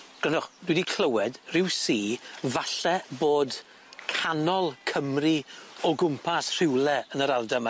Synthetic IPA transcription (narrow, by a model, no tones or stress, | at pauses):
ɡ̥lɛnɔχd̥widikʰl̥əwɛdrɪwsiːvaɬɛboːd | kʰanɔlˠkʰəmriɔɡʊmpʰasr̥ɪwlˠɛənəɾalˠdama